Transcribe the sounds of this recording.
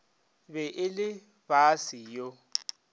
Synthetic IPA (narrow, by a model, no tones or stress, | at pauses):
bɛʔɪlɪ | b̥asijɔ